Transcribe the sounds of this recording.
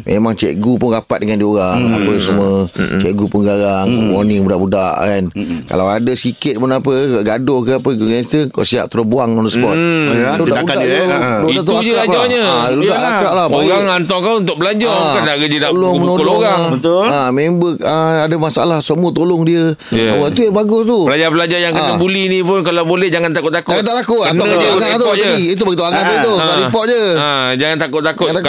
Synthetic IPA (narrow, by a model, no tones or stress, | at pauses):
mʔḛmaŋt͡ʃɛ̰ʔɡupʊnɡapat̪̚dəŋandioɾaŋa̰pəsəmuət͡ʃɛʔɡupəŋɡaɾaŋmonĩŋbudaʔbudaʔkanka̰lawadəsikɪt̪̚pənapəkaɡadʊkəapəɡuɡɛst̪əkɔ̰ʔsia̰ʔ̚t̪əɾobuaŋɔnəsəpɔt̪̚udaʔbudaudat̪akapɾd͡ʒaɲəludaʔlakɾaʔlaoɣaŋŋant̪ɔŋkawunt̪ʊk̚bəlaɲd͡ʒʊkanaʔɡəd͡ʒənaʔloŋmənokoloɣaŋət̪ləmembək̚əadamasaa̰lahsəmuət̪olʊŋdiə | jit̪ujabaɡʊst̪upəlad͡ʒarpəlad͡ʒajaŋkənəbulinĩpʊnkalawbolɛhd͡ʒaŋant̪akʊt̪ːakʊt̪aʔlakuʔnnɔaaŋat̪uaəiit̪̬ubəɡit̪uaŋant̪ut̪uaipɔʔ̚d͡ʒəəd͡ʒaŋant̪akʊt̪t̪ːakʊt̪a